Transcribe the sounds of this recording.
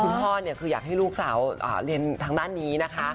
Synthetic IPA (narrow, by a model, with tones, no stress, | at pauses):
kʰu˧npʰɔː˥˩ni˧˥˩əkʰɯː˧jaː˨˩k̚ha˥˩jluː˥˩k̚saː˩˦wʔa̰ː˨˩ɾi˧ənt̪ʰaː˧ŋdaː˥˩nːiː˦˥na˦˥kʰa˦˥